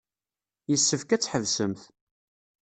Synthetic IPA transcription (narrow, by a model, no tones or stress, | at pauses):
jəsːəfkæt͡sːħəvsəmθ